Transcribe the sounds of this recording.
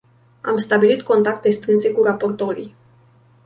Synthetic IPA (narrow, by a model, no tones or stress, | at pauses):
a̰mst̪abilit̪ko̞nt̪ak̚t̪e̞st̪ɾɨnse̞kurapo̞rt̪o̞ɾḭj